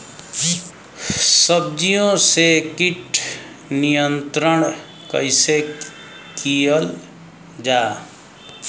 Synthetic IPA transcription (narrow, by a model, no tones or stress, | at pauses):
səb̚d͡ʒijõsekiʈʰ | nijənt̪ɾəɳ̃ | kə̰ɪse | kijəl | d͡ʒa